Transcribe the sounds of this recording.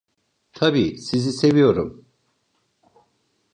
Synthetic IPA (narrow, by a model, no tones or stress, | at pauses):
t̪ʰabiːsizise̞vijo̞ɾum